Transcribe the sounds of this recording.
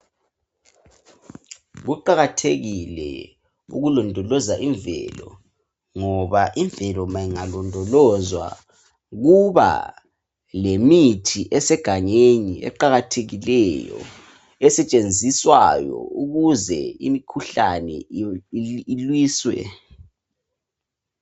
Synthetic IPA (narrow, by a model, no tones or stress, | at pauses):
ɣuǃaɣatʰeɣilɛ̰ | ṵɣulɔndʱɔlɔzaʔiɱvɛ̰lɔ̰ | ŋɔβaʔiɱvɛlɔmajiŋalɔndʱɔlɔzwa̰ | ɣuβa̰ | lemitʰiʔɛsɛɡ̥ʱaŋeɲiɛ̰ǃaɣatʰeɣilɛjɔ̰ | ɛsɛt͡ʃʼend͡zʱiswa̰jɔ̰uɣuzɛḭmikʰuɬanɛ̰ | ilwiːswɛ̰